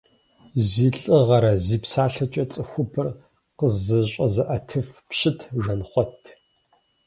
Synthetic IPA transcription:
ziːɬʼɨʁɐɾɐziːpsaːɬɐt͡ʃʼɐt͡sʼɨxʷʊpʰɨr | qəzɨɕʼɐzɐʔɐtʰɨfpɕɪtʰʒɐnχʷɔtʰ

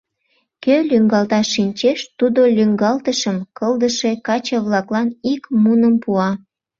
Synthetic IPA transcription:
kølyŋɡɑlt̪ɑʃːinʲt͡ɕeʃt̪ud̪olʲyŋɡɑlt̪əʃəmkəld̪əʃekɑt͡ɕəβlɑklɑnikmunəmpuɑ

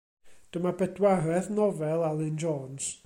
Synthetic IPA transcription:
d̥əmabɛdwaɾɛθnɔvɛlˠalˠɪnd͡ʒɔːns

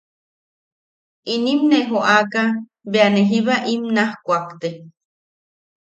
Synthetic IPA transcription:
inimneɦoʔaka | beaneɦiβaʔimnahkʷakt̪e

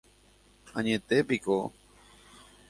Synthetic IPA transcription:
a̰ɲet̪epiko

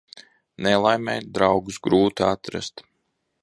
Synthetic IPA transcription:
nɛlˠajmʲɛjd̪ɾawɡusɡɾuːt̪iat̪ɾa̰st̪

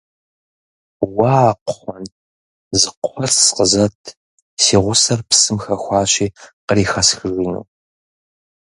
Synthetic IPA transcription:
wɑːqχʷɔn | zɨqʷʰɔrsqəzɐtʰ | siːʁʷʊsɐrpsɨmxɐxʷɑːɕiːqəɾiːxɐsxɨʒinṵː

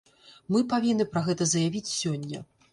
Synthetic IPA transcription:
mɨpavʲinːɨpɾɐɣɛt̪ɐzɐjavʲit͡sʲsʲɔnʲːɐ̰

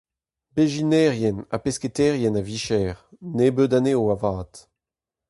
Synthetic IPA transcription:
beʒinɛːʁjɛna̰pesketɛːʁjɛnaviʃɛːʁnebødaneːoavaːt

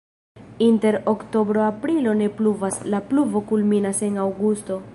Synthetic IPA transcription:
inte̞ɾokto̞bɾo̞apɾilo̞ne̞pluvaslapluvo̞kulminase̞nawɡusto̞

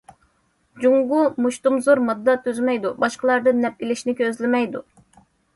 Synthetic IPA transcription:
d͡ʒuŋʁumuʃt̪umzuɾmɑd̪ːɑt̪ʰyzmɛjd̪ubɑʃqəlˠɑɾd̪ɨnːɛp̚ilɪʃnɪkʲøzlɪmɛjd̪u

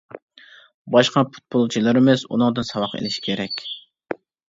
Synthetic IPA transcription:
bɑʃqɑpʰu̥t̪̚pʰolˠt͡ʃʰilˠɨɾɪmɪsṵnɨŋd̪ɨnsɑwɑqḛlɪʃi̥kʲʰeɾɛkʲ

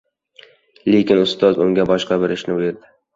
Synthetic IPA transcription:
lekʲɪnʊst̪ɒzʊŋɡʲabɒʃqɑbeɾɪʃnɪeɾd̪ɪ

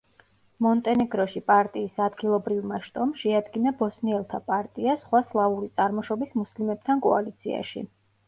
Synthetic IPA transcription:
mɔnt̪ʼɛnɛɡɾɔʃipʼaɾt̪ʼiːsad̪ɡilˠɔbɾivmaʃt̪ʼɔmʃɛad̪ɡinabɔsniɛlˠt̪ʰapʼaɾt̪ʼiasχwaslˠauɾit̪sʼaɾmɔʃɔbismuslimɛb̚t̪ʰankʼɔa̰lit̪sʰia̰ʃḭ

